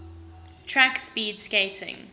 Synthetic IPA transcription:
tʰɹakspiːdskeɪtʰɪ̰̃ŋ

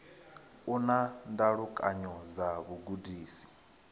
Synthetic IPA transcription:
unandaɺukʼaɲɔzaβuɡudiːsi̥

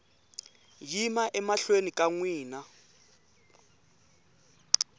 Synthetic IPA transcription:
jimaʔɛmaɬwenikʼaŋwiːna

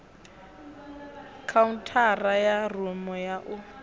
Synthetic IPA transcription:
kʰauntʰarajarumɔjaʔʊ

